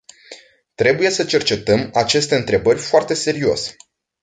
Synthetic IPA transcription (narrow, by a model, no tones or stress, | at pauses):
t̪ɾe̞buje̞sət͡ʃe̞rt͡ʃe̞t̪əmat͡ʃe̞st̪e̞ɨnt̪ɾe̞bərʲfoart̪e̞se̞ɾio̞se̥